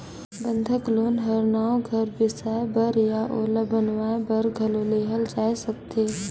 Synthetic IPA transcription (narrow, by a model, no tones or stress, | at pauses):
bə̃nd̪ʱəkloːnɦɐɾnaːõɡʱɐɾbɪsaːbəɾjaʔoːləbənʋabɐɾɡʱɐloːleːɦəld͡ʒaːesɐkt̪eː